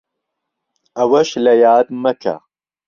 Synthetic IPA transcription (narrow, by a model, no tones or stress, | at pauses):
ɐwɐʃlɐjaːd̪mɐkʰa̰